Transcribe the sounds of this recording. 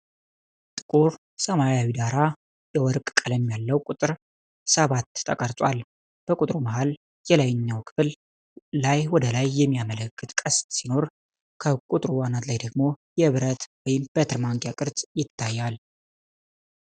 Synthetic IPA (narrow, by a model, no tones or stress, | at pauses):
t̪ʼɨkʼuɾ | səmaɾjawid̪aɾa | jɛwɔɾkʼkʼələmːjalːəwkʼut̪ʼɨɾ | səβat̪ʰʼːəkʼəɾt̪ʼwal | b̥əkʼut̪ʼɾuməɦal | jɛlajɪɲːawkʰɨ̥fɨl | lajwɔd̪əlajːɛmːijamələkʰːɨt̪ʼkʼəssino̞ɾ | kʰəkʼut̪ʼɾuwanat̪lajd̪əɡmo̞jɛβɾət̪wɔjɪmb̥et̪ɨɾmaŋɡjakʼɨɾt̪ʼjɪt̪ʰːajːal